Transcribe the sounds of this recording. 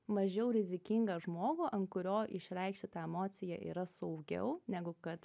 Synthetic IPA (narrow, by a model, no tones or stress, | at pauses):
mɐʒʲɛʊɾʲɪzʲɪkʲiŋɡɐʒmoːɡuːʔɐnt̪kʊɾʲoːʔɪʃʲɾʲɛɪkʃʲtʲɪt̪ɑːɛmoːt̪sʲɪjɛ̰ʔḭːɾɐsɐʊɡʲɛ̰ʊnʲæɡʊkɐt̪